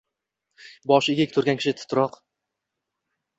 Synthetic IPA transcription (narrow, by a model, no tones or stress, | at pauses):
bɒʃɪɡʲekʲt̪ʰʊɾɡʲankʰʲɪ̥ʃɪt̪ʰʊ̥t̪ʰɾɒq